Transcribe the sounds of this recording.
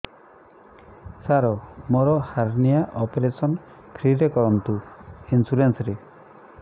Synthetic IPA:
saɾɔmoɾɔhaɾnijaʔɔpeɾesɔn | kʰɾiɾekɔɾɔnt̪uinsuɾensɔɾe

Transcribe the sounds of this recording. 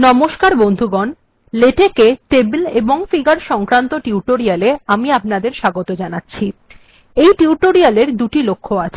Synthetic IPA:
nɔmoʃkaɾbond̪ʱuɡɔn | leʈekeʈebleboŋfiɡaɾʃɔŋkɾant̪oʈiuʈoɾialeamiapnad̪eɾʃaɡot̪od͡ʑanatːɕʰi | ejʈiuʈoɾialeɾd̪uʈilokʰːoat͡ɕʰe̥

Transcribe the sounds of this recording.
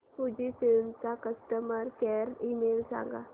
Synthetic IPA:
pud͡ʒisɪlnsakəsʈəməɾkeːɾimeːlsã̰ːŋɡa̰

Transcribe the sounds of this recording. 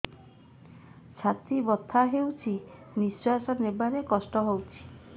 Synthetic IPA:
t͡ʃʰat̪ibɔt̪ʰaɦewt͡ʃʰi | miswasɔnebaɾekɔsʈɔɦowt͡ʃʰi̥

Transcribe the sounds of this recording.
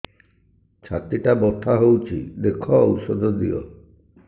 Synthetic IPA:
t͡ʃʰa̰t̪iʈabɔʈʰaɦowt͡ʃʰḭd̪ekʰɔusɔd̪ʱɔd̪iɔ̰

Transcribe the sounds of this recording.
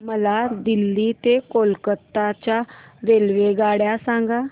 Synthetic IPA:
məlaːd̪ɪlːiːt̪eːkoːlkət̪ːaːt͡ʃaːɾeːlʋeːɡaːɽjaːsãːŋɡaː

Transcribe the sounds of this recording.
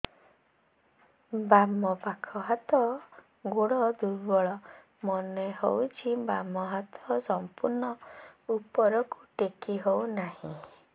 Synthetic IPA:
bamɔpakʰɔɦat̪ɔ | ɡoɽɔd̪uɾbɔɭɔ | mɔnehowt͡ʃʰibamɔɦat̪ʰɔsɔmpuɾnɔupɔɾɔkuʈekʰiɦownahḭ̃

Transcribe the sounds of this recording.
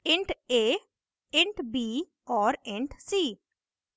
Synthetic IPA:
ẽɳʈeː | ẽɳʈbiː | ɔːɾẽɳʈsiː

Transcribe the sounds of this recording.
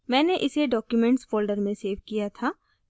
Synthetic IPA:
mɛ̃ːneʔɪseɖɔːkjumɛ̃ɳʈsfoːlɖəɾmẽseːʋkijat̪ʰaː

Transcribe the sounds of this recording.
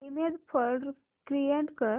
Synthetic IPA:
imed̪pʰəlɖɾ | kɾijeɳʈkəɾ

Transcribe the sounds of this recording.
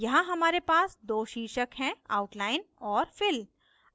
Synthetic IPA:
jɐɦãɦɐmaːɾepaːsd̪oːʃiːʃəkɦɛ̃aːʊʈlaːɪnɔːɾfɪl

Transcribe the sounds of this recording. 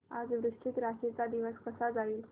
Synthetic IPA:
ad͡zʋɾuʂʈʰit̪ɾaɕet͡sad̪iʋəskəsad͡zaiːl

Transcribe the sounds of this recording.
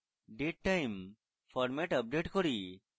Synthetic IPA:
ɖeʈːajm | fʰɔɾmeʈəp̚ɖeʈkoɾi

